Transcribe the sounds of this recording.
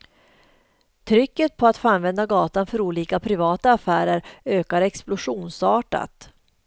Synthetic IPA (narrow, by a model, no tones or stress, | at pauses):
t̪ʰɾʏkːət̪̚pʰɔat̪foːanvɛnd̪aɡɑːt̪anfœɾuːliːkapʰɾɪvɑːt̪aːfæːɾəɾøːkaɾɛksplʊʂuːnsɑːʈa̰t̪